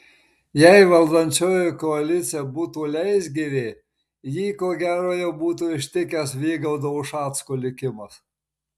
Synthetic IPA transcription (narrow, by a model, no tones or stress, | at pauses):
jɛɪʋɐlˠd̪ɐnʲt͡ʃʲoːjokɔɐlʲɪt̪sʲɪjɛbuːt̪uːlʲɛɪsʲɡʲiʋʲeː | jiːkoːɡʲæːɾoːjɛʊbuːt̪uːɪʃʲt̪ʲɪkʲɛsʋʲiːɡɐʊd̪ɐʊʃɑːt̪skolʲɪkʲɪmɐs